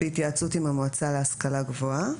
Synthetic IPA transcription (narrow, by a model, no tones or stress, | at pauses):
it̪jat͡sut̪imamoat͡saleaskalaɡvoa